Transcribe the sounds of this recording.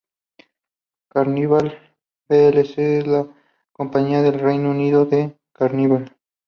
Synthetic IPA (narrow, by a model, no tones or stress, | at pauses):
kaɾniβal | belesela | ko̞mpaɲiaðelrejnouniðoðe | kaɾniβal